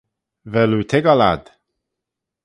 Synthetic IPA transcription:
vɛlut̪ʰɪɡala̰d̪̥

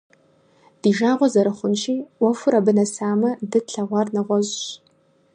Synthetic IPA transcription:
d̥iʒaːʁʷɔzɐɾɨχʷʊnʃiːɔfʊɾɐbɨnɐsaːmɐdɨɬʰɐʁʷɑrnɐʁʷɔʑɕ

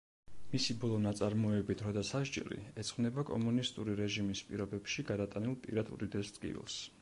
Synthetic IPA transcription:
misibɔlˠɔnat̪sʼaɾmɔɛbit̪ʰɾɔd̪asaʃd͡ʒɛ̰ɾḭɛt̪sʰʼχʼvmnɛbakʼɔ̰munist̪ʼuɾiɾɛʒimispʼiɾɔbɛpʃiɡad̪at̪ʼanilˠpʼḭɾad̪ʰṵɾid̪ɛsd̪kʼḭvḭlˠs

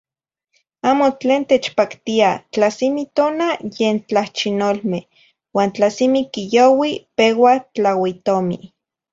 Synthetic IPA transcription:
aːmot͡ɬeːnt̪eːt͡ʃpakt̪iat͡ɬasimit̪oːnajeːnt͡ɬaht͡ʃinolmeh | waːnt͡ɬasimikijowipewat͡ɬawit̪omḭ

